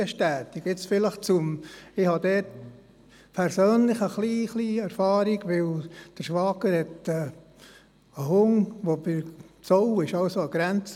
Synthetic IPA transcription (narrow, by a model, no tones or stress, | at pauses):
əʃtæːt̪ɪɡɪt͡sfɪləχt͡sʊmɪhɑd̪ɛːt | pʰɛɾsøːnlɪχəχliːχliːæɾfɑːɾiɡʋɪld̥əɾʃʋɑːɡəɾhɛtə | əɦʊŋʋobɪɾt͡sɔwɪʃɑʊsoəɡ̥ɾænt͡s